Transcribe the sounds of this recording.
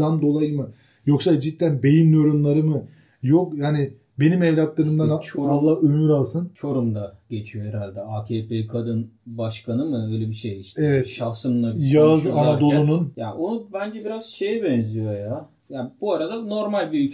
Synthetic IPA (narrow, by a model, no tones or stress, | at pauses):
and̪o̞lˠajɯmɯ | jo̞ksad͡ʒit̪ʰːænbe̞jinːijo̞ɾunlˠaɾɯmɯ | jokjani | be̞nimɛvlʲat̪lˠaɾɯmd̪anat͡ʃʰoalˠːahømyɾalˠsɯnt͡ʃʰo̞ɾumd̪aɟ̥e̞t͡ʃʰijohɛɾalʲd̪ɛacʰeːpekʰad̪ɯnbaʃkanɯmɯøjlʲɛbiʃejiʃevɛt̪ʃavsɯmnˠabjazanadd̪o̞lˠununjaonubænd͡ʒɛbiɾaz̥ʃe̞jibɛnzijo̞ja | jaːbuaɾad̪ano̞ɾmalʲbiy